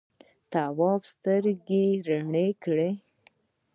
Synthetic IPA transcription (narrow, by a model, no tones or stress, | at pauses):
t̪awɑbst̪əɾɡeɾaɳekɽe